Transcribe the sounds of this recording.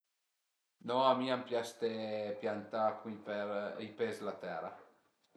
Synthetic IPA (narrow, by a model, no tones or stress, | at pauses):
nɔamiampjast̪epjant̪akwipeipezlat̪ɛɾa̰